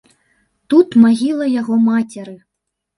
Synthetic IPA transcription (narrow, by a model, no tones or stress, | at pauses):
t̪ut̪maɣʲilˠɐjaɣɔmat͡sʲɛɾɨ